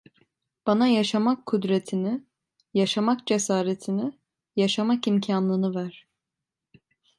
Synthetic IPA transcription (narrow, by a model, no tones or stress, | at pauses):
b̥anajaʃamakʰːud̪ɾet̪ʰini | jaʃamak̚d͡ʒesaːɾet̪ʰini | jaʃamakimcʰanlˠɯnɯvæɾ̥